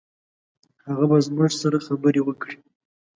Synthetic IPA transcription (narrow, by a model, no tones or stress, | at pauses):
haɣabazmuʐsaɾaxabəɾewəkɽi̥